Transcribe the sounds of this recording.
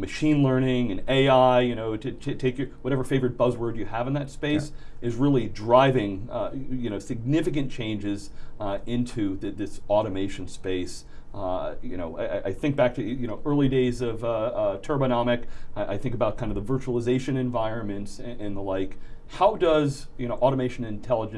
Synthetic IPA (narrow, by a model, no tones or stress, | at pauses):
mɨʃĩnlɜ̃˞nɪ̃ŋɨ̃neɪaɪjɨñoʊɾɨtʰtʰeɪkjə˞wʌɾɛvə˞feɪvə˞ɨt̚b̥ʌzwɜ˞dɨəvn̩ðɨtspeɪsʔɨzɹɪlˠidɹaɪvɪ̃ŋjɨñoʊsɨɡ̚nɪfɨk̬ɨ̃nt͡ʃʰẽɪ̃nd͡ʒɪzɪ̃ntʰʉðɨðɪsɔɾɨmeɪʃɨ̃n̩speɪs | jɨ̰ñoʊaɪaɪʔaɪθɪ̃ŋk̚b̥æk̚tʰɨjɨñoʊʔɜ˞lˠideɪzʌvʌtʰɜ˞bɨnɑmɨkaɪʔa̰ɪθɪ̃ŋkəbaʊt̚kʰãɪ̃ndʌðəvɜ˞t͡ʃəl̩ˠəzeɪʃɨ̃nɨ̃ɱvaɪɹɨ̃nmɨ̃ntsɨ̃ʔɨ̃nðəlaɪk | haʊdʌz | jɨñoʊʔɔɾəmeɪʃɨ̃nɨ̃ntʰɛlˠəd͡ʒɨ̃